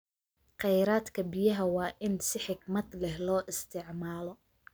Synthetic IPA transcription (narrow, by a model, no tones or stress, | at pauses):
qɛjɾaːd̪kʰɐbɪjɐɦɐwɑːʔɪnsɪħɪɡmɐd̪lɛhlɔːʔɪst̪ʰɪʕmaːlɔ